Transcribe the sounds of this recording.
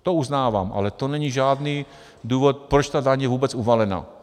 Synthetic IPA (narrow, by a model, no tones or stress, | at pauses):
t̪ouznaːʋa̰ːmʔa̰lɛt̪onɛɲiʒaːd̪niː | d̪uːvɔt̪̚pɾɔt͡ʃt̪aːd̪aɲjɛvuːbɛt͡suvalɛna̰ː